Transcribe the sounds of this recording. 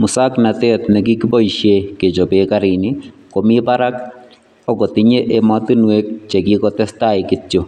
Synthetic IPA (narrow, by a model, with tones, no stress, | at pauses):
mʊ˨sa˦kna˨t̪ɛ˦t̪nɛ˨ɡi˦kbɔ˦i˨ʃje˦ke˨d͡ʒo˨be˨ka˦ɾɪ˨nɪ˦ko˨mi˦ba˦ɾa˦k | ɔ˦ɡɔ˨t̪i˦ɲe˦ʔe˦ma˦t̪i˦nwe˦k̚t͡ʃe˨ɡi˦kɔ˦t̪ɛ˦sta˦ɪ˨kɪ˦tt͡ʃo˨